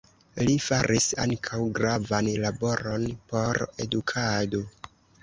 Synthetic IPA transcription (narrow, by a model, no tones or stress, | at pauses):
lifaɾʔisa̰ŋkʰawɡɾavanlabo̞ɾo̞npo̞ɾe̞dukʰado̞